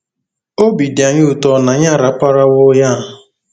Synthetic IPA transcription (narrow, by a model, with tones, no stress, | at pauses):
o˦bi˨dɪ˨a˨ɲʊ˦u˨tɔ˦na˨ɲa˦˨ɾa˨˦pa˦ɾa˦wo˦ja˦˨